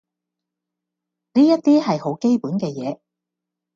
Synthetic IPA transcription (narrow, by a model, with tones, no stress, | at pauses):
niː˥jɐ˥t̚t̪iː˥hɐ˨jho˨˥wke˥jpuː˨˥nkɛː˧jɛː˨˦